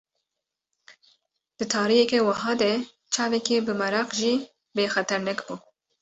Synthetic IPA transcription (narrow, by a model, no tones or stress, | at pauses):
d̪̥ɨt̪ʰɑːɾijɛkɛwɑɦɑːd̪ɛ | t͡ʃʰɑːvɛkebɨmɐɾɑqʒiː | beːxɛt̪ʰɛɾnɛkbuː